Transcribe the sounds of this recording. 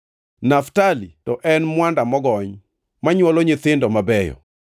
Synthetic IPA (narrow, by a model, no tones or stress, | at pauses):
naftalitɔʔɛnmwandamɔɡɔɲ | maɲwɔlɔɲet̪ɪndɔmabɛjɔ̰